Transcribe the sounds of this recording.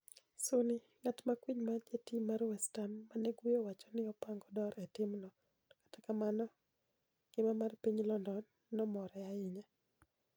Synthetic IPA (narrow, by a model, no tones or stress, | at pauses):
sʊnɪ | ŋatmakwiɲmad͡ʒetimarwɛstammaneɡijowat͡ʃɔ̥nɪɔpaŋɡɔdɔɾɛtɪmnɔ | dɔkḁtḁkamanɔ | ɡ̥ɪmamarpiɲlɔndɔnː | ɔmɔɾɛaɪɲa